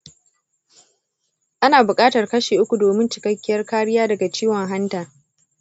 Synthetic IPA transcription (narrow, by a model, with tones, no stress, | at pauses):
ʔa˦naː˨bʊ˨kʼaː˦tɐ˨rkɐ˦ʃeː˨ʔʊ˦kʷu˨doː˨mɪ˦nt͡ʃɪ˨kɐ˦kʲːɪ˦jɐ˦rkaː˦ɽɪ˦jaː˦dɐ˨ɡa˨t͡ʃiː˦wɔ˨ŋɦa˦ntaː˨